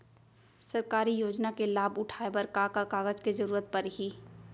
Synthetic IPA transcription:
səɾkaːɾijoːd͡ʒnakelaːbʊʈʰaːebəɾkakakaːɡəd͡ʒkezəɾuːɾət̪̚pəɾɦiː

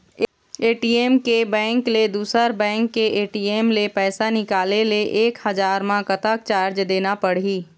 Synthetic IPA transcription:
eːʈiːeːmkebɛ̃ːŋkled̪uːsəɾbɛ̃ːŋkːeeːʈiːeːmlepɛːsanɪkaːleleʔeːkhɐzaːɾmãkɐt̪ək̚t͡ʃaːɾd͡ʒd̪eːnapɐɽ̤iː

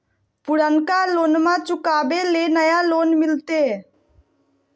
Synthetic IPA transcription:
pʊɽənkaloːnmãt͡ʃʊkaːbelenəjaloːnmɪlt̪eː

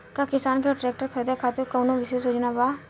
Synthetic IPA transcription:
kakɪsaːnkeʈɾɛːk̚ʈəɾkʰɛd̪ekʰat̪ukoːnõʋɪʃesod͡ʒnabaː

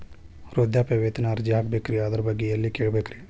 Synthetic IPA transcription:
ɾoːd̪jaːpeʋet̪naːɾd͡ʒaːkbekɾiaːd̪əɾbɐɡiɐlːikeɽbekɾi

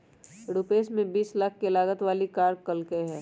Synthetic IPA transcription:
ɽupeːsmẽbiːslək̚ʰkelaːɡət̪ʋaːlikaːɾkɐlkeɦɛː

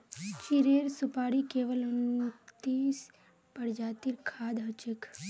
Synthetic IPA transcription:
t͡ʃiɾeɾsupaɽikeʋələnut̪is | pəɽd͡ʒat̪iɾkʰaːd̪ɦət͡ʃek

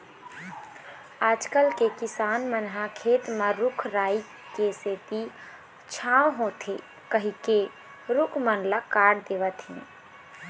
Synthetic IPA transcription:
aːd͡ʒkəlkekɪsaːnmənɦakʰeːt̪mãɾʊkʰɾaːi | keseːt̪i | t͡ʃʰãːwɦõt̪ʰe | kəɦike | ɾʊkʰmənlakaːɽd̪eːʋət̪ʰiɛ̰̃

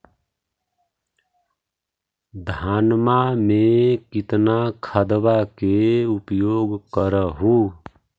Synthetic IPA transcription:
d̪ʱanmamekit̪nakʰəd̪bakeupjoɡkəɾəɦu

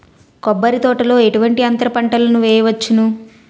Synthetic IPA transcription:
kɔbːɐɾit̪ɔːʈɐlo̞ːe̞ʈuʋɐɳʈiɐnt̪ɐɾɐpɐɳʈɐlɐnuʋɛːjɐʋɐt͡ʃːinu

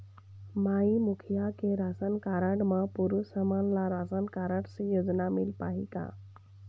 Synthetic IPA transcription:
maimukʰijakeɾasənkaɾəʈmãpuɾusəmanlaɾasənkaɾəɖsejod͡ʒnamɪ̰lpa̰ɦḭka̰

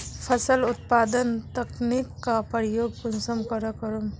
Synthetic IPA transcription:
pʰɐsəlʊt̪̚paːd̪ənt̪ɐknikːapəɾijoːɡ̚punsəmkəɾəkəɾum

